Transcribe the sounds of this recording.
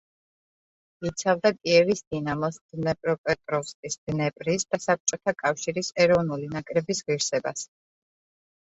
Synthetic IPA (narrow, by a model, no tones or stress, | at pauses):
it̪sʰavd̪akʼiɛvisd̪inamɔsd̪̥nɛpʼɾɔpʼɛt̪ʼɾɔfskʼisd̪̥nɛpʼɾisd̪̥asap̚t͡ʃʼɔt̪ʰakʼafʃiɾisɛɾɔvnulinakʼɾɛbisʁiɾsɛba̰s